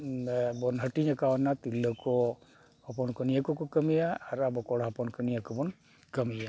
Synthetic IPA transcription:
bɔnɦəʈiɲakawanat̪ilːɔkɔ | ɔpɔnkɔnijakɔkɔkəmijaːɾabɔkɔɽɦɔpɔnkənijakɔbɔn | kəmija

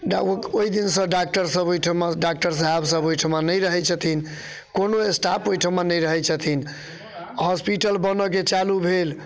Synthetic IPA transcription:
ɖoid̪insə̃ɖak̚ʈəɾsəbojʈʰəmaɖak̚ʈəɾs̬əɦabsəbojʈʰəmanəjɾəɦɛt͡ʃʰət̪ʰin | konoesʈapojʈʰəmanəjɾəɦɛt͡ʃʰət̪ʰin | ɦɔspiʈəlbənɔk̬et͡ʃalubʱel

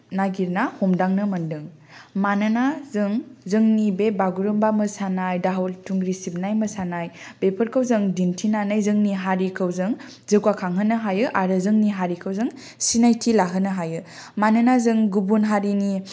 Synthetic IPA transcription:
naɡiɾnahomdaŋnɯmɐndɯŋ | manɯnazɯŋzɯŋnibebaɡuɾɯmbamɯsanajdaɦoltʰuŋɡɾisib̚najməsanajb̥epʰəɾkʰɯwzɯŋdintʰinanajzɯŋniɦaɾikʰɯwzɯŋ | zɯkwakʰaŋɦɯnɯɦajɯʔaɾɯzɯŋniɦaɾikʰəwzɯŋ | sinajtʰilaɦɯnɯɦajɯ | manɯnazɯŋɡubunɦaɾini

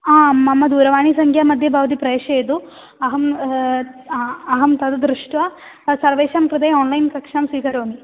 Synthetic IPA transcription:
aːmɐmɐd̪uːɾɐʋaːɳisɐŋkʰjaːmɐd̪ʱjɐbʱaːʋɐt̪ipɾɐeːʂɐjd̪u | ɐɦɐm | ɐɦɐmt̪ɐd̪ɐd̪ɾuʂʈʋɐ | sɐɾʋeːʃɐmkɾɐd̪ɐjoːnlɐjnkɐkʂaːmsʋiːkɐɾoːni

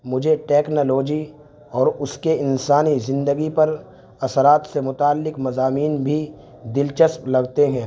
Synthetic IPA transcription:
mʊd͡ʒʱeʈeːknoːloːd͡ʒi | ɔːɾʊskeɪnsaːnizɪ̃nd̪əɡipɐɾ | ɐsəɾaːt̪semʊt̪aːlːɪkmɐzaːmiːnbʱi | d̪ɪlt͡ʃəsplɐɡt̪eɦɛ̃ː

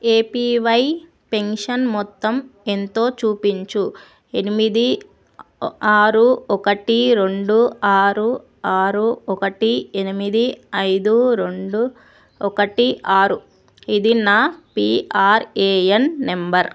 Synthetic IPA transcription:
eːpiːʋɐj | pe̞nʂɐnmɔt̪ːɐme̞nt̪o̞ːt͡ʃuːpiɲt͡ʃu | e̞nimid̪i | aːɾuɔkɐʈiɾe̞ɳɖuaːɾu | aːɾuɔkɐʈienimid̪iɐjd̪uɾeɳɖu | ɔkɐʈiʔaːɾu | id̪inaːpiːaːɾeːenːembɐɾ

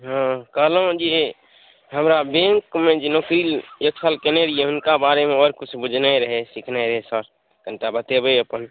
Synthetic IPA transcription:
ɦãkəɦlõd͡ʒi | ɦəmɾabẽŋkmẽd͡ʒinokɾiːljeksʰəlkeneɾieʊnkabaːɾemẽɔːɾkʊt͡ʃʰbʊd͡ʒʱnaeɾəɦesɪkʰnaɾəɦesəɾ | kə̃nʈabət̪ebəəpən

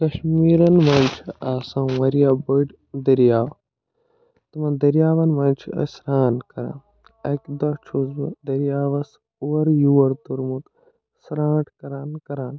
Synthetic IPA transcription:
kɐʃmiːɾɐnʋaːnt͡ʃʰiaːsãwɐɾijaːbɐʈ | d̪ɐɾjaːw | t̪ɐmɐ̃d̪ɐɾijaːʋɐnʋɐ̃ːnʲt͡ʃʰiɐ̰sɾaːnkɐɾã̰ː | ɐkʲd̪ɐt͡ʃʰuzbɨd̪ɐɾjaːʋɐs | uwɐɾjuwɐɾt̪uɾmut̪ | sɾãːʈʰkɐɾaːnkɐɾaːn

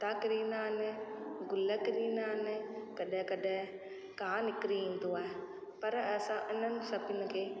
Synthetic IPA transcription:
t̪aːkɪɾiːnaːnɪɡʊləkɪɾiːnaːɦnɪkɐɗ̃kɐɗɪ̃ | kaːnɪkɾiĩːn̆d̪oaːɦe | pɐɾɐsãʔɪn̤ənɪ̆sɐbʊnɪ̆kʰeː

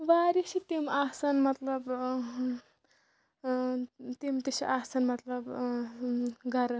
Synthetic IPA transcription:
ʋaːɾisit̪emasanmɐt̪lɐb | t̪emt̪esḭʔaːsanmɐt̪lɐb | ɡʱɐɾ

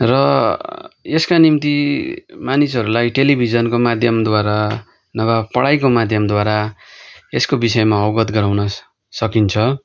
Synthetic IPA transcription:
rʌ | eskanimt̪imanisʌɾulajʈelibʱid͡zʌnkomad̪ʱjʌmd̪waɾa | nʌbapʌɽajk̬omad̪ʱjʌmd̪waɾa | eskobisʌemaʌwɡʌt̪ɡʌɾawnʌ | sʌkint͡sʰʌ

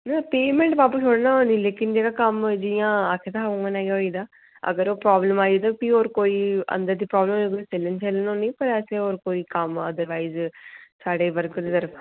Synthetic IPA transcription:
naːpeːmẽːɳʈʋaːpuːt͡ʃʰoːɽnãːoːnĩːleːkɪnd͡ʒeːɡaːkəmd͡ʒɪjãːakʰːet̪aːɦauŋɡanaːɡaɦoːid̪aː | ə̰ɡəɾoːpɾaːbləmaːid̪apioːɾkoːiːə̰̃nd̪əɾd̪iːpɾɔːbləmekoselənt͡ʃeːlənõːnĩːpəɾɛːseːoːɾkoːiːkəməd̪əɾʋaːizsaːɖeːʋəɾkd̪eːd̪əɾ

